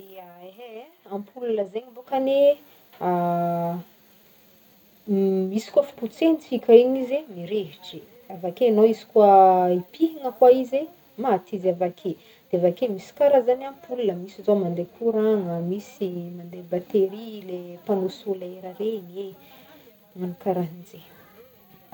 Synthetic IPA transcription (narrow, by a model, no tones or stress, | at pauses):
d̪eəeɦe | ampʰululəzeɲimbokane | a | misi̥kwafu̥put͡senifikʲaiɲizemiɾeɦiʈ͡ʂi̥ | avakeanoizi̥kwaipiɦiŋəkwaize | mat̪izavakʰe | d̪̥eavakemisi̥kaɾəzananpulunəmisizomand̪ekʰuɾaŋəmisimand̪ebat̪eɾilepanosolaeɾərenie | manakaɾaɦind͡ze